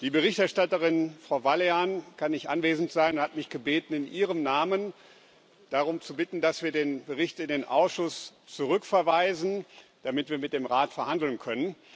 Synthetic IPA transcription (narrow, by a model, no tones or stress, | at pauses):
d̥iːbəʁɪçtɛɐʃtatəʁɪnfʁ̥aʊvaleaːnkʰanɪçʔa̰nveːzn̩tz̥aɪnʊnthatmɪçɡ̥əbeːtn̩ɪnʔiːʁəmnaːmən | d̥aʁʊmt͡subɪtn̩dasv̥iːɐdeːnbəʁɪçtɪndeːnʔa̰ʊsʃʊst͡suʁ̞ʏkfɛɐvaɪzn̩d̥amɪtv̥iːɐmɪt̚d̥eːmʁaːtfɛɐhandl̩nkʰœnən